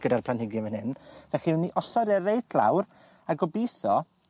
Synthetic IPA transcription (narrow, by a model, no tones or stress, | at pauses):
ɡ̥ədarpʰlanhɪɡjɔvɛnhɪnvɛχiwnːiʔɔsɔdɛrejtʰlˠa̰wr | aɡɔbiθɔ